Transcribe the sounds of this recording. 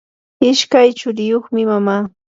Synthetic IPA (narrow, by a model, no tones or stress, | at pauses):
ɪʃkajt͡ʃʊɾɪjoχmɪmamaː